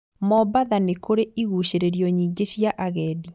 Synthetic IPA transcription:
mɔbaðanekoɾeiɣuɕeɾeɾijɔɲiːɡeɕjaʔaɣɛːdi

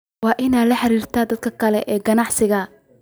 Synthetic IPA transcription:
wɑːʔɪnaːd̪lɐħɑɾiːrt̪ʰaːd̪ɐd̪̚kʰɐkʰɐlɛʔɛːɡɐnɑʕsɪɣɐ

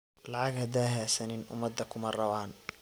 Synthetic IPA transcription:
lɑʕɑɡhɐd̪aːɦaːsɐnɪnʔʊ̰mɐd̪ɐkʰʊmɐrɐβaːn

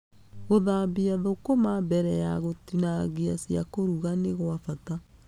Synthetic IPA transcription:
ɣoðaːmbiaðokomambɛɾɛjaɣotinaɣia̰siakoɾuɣaneɣoafata

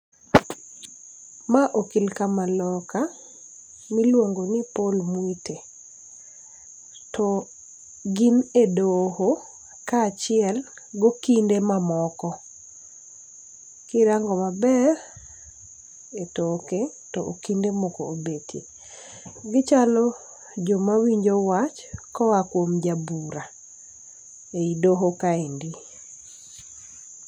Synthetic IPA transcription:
maʔokilkamalɔka | milwoŋɡonɪpolmwite | tɔ | ɡinedoho | kaːt͡ʃɪɛl | ɡokindemamɔkɔ | kɪɾaŋɡɔmabɛr | etoke | tɔʔokindemokoobetʰḛ | ɡɪt͡ʃalɔ | d͡ʒomawiɲd͡ʒowat͡ʃkɔakwomd͡ʒabuɾa | eidoɦokaendi

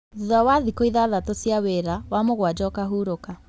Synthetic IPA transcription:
ðuðawaðikoiðaðatosjaweɾawamoɣwad͡ʒɔkaɦuːɾoka

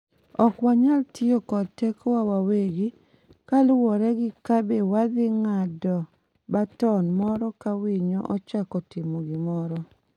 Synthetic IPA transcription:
ɔkwaɲaltʰɪokɔdtɛkʰɔwawaweɡi | kalʊwɔɾɛɡɪkabewad̪ɪŋadɔ | batɔnmɔɾɔkawiɲoʔɔt͡ʃakɔtɪmoɡɪmɔɾɔ

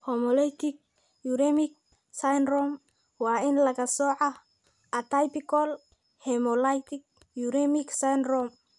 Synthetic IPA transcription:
homolajt̪ik̚ | juɾemik̚ | sajnɾom | wainlaɡasoʕa | at̪ajpikol | hemolajt̪ik̚ | juɾemiksajnɾom

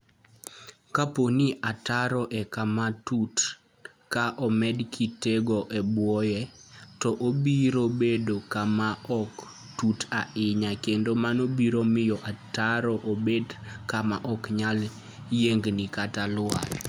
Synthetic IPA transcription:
kaponiʔataɾɔʔɛkamatut | kaʔɔmɛdkʰiteɡɔʔɛbwɔjɛtɔʔobiɾobedokamaɔk | tutaɪɲakendomanobiɾomɪjɔʔataɾɔʔobedkamaʔɔkɲal | jeŋɡnikatalʊwa̰l

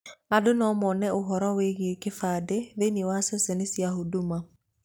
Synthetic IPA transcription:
adonɔmɔnɛʔoɦɔɾɔweɣekefaːdeðeniwasɛsɛnesiaɦoduma

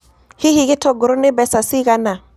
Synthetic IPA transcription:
hihikitoɡuɾunibɛsasiɡana

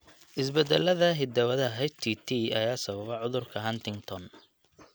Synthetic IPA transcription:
ʔɪsbɛd̪ɛlɐðɐɦɪd̪ɐwɐðɐɦɛt͡ʃt̪ʰit̪ʰiɐjaːsɐβɐβɛʕʊðʊrkʰɐɦɐnt̪ʰɪŋɡt̪ʰɔn

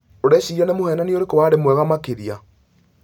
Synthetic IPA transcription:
oɾɛɕiianemohɛːnanioɾekowaɾemwɛɣamakeɾia

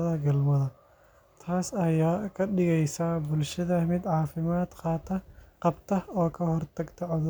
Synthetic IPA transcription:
ðɐɡɐlmɐðɐ | t̪ʰaːsɐjaːkʰɐɖɪɣɛjsabʊlʃɐðɐmɪd̪ʕaːfɪmaːd̪qɑːt̪ʰɐqɑbt̪ʰɐɔːkʰɐhɔrt̪ʰɐɡt̪ʰɐʕɔðʊ

